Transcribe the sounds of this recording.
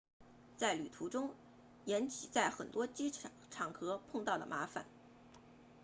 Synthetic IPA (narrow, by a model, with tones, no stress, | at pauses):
t͡sa˥˩ɪly˨˩t̪ʰu˧˥ʈ͡ʂʊ˥ŋ | jɛ˧˥nt͡ɕʰi˨˩t͡sa˥˩ɪxə˨˩nt̪wɔ˥t͡ɕi˥ | ʈ͡ʂʰɑ˨˩ŋkʰɤ˧˥pʰʊ˥˧ŋt̪ɑ˥˩ʊd̪ə̰˩mʔa˧˥fa̰˨˩˦n